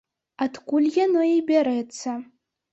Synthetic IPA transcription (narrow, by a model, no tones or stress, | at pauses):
atkʷʰʼulʲjʲanoibʲaɾet͡sʰa